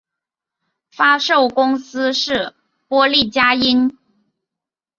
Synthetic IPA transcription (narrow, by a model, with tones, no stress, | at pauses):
fa˥ʂo˥˩ʊkʊ˥ŋsɹ̩˥ʂɻ̩˥˩ | pwɔ˥li˥˩t͡ɕja˥i˥n